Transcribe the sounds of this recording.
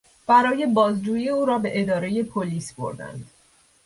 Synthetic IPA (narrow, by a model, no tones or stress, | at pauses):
b̥æɾɒːje̞bɒːzd͡ʒuːjieuːɾɒːbe̞ʔed̪ɒːɾe̞je̞pʰoliːsb̥o̞̰ɾd̪æ̰nd̪̥